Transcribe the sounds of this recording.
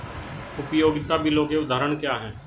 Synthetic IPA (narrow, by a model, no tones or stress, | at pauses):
ʊpjoːɡɪt̪abʱiloːɡeʊd̪ʱaːɾəɳkjaːɦɛ̃ː